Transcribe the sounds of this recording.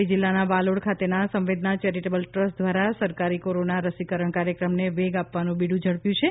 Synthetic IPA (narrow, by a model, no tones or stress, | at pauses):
id͡ʒilːanabaloɽkʰat̪enasə̃mʋed̪nat͡ʃɛɾiʈebəlʈɾəsd̪ʱʋaɾasəɾkaɾikoɾonaɾəsikəɾəɳkaɾjəkɾəmneʋeɡapʋanũbiɽũd͡ʒʱəɽpjũt͡ʃʰe